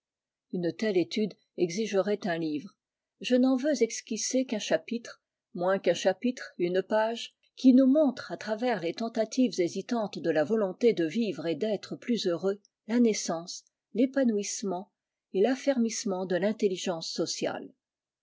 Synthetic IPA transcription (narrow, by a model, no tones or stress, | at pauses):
ynt̪ɛlet̪yd̪ | ɛɡziʒəʁɛt̪ɛ̃livʁ | ʒənɑ̃vøzɛkskʲisekɛ̃ʃapit̪χ | mwɛ̃kɛ̃ʃapit̪χynpaʒ | kʲinumɔ̃t̪χat̪χavɛʁlet̪ɑ̃t̪at̪ivzezit̪ɑ̃t̪d̪əlavɔlɔ̃t̪ed̪əvivʁed̪ɛt̪χəplyzøʁø | lanɛsɑ̃s | lepanuismɑ̃ | elafɛʁmismɑ̃d̪əlɛ̃t̪eliʒɑ̃sːɔsja̰l